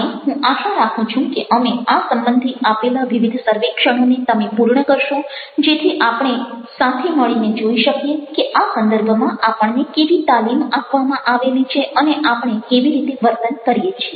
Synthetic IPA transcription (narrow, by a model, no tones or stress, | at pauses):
eɦũʔaʃãɾakʰũt͡ʃʰũkeʔəmeasəmbənd̪ʱiapelaʋiʋid̪ʱsəɾʋekʃəɽ̃onet̪əmepuɾɳəkəɾʃõ | d͡ʒet̪ʰiʔapɳ̃esat̪ʰeməɭined͡ʒoiʃəkjekeʔasənd̪əɾbʱəmãʔapəɳnekeʋit̪alimapʋamãʔaʋelit͡ʃʰeʔəneʔapɳ̃ekeʋiɾit̪eʋəɾt̪ənkəɾjet͡ʃʰie